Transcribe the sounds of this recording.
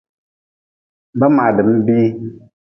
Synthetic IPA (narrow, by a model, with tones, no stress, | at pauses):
ba˦ma˨dɨ˨m̩˦bi˦